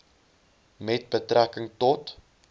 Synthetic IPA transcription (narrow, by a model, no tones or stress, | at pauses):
mɛt̚bətrækəŋtɔt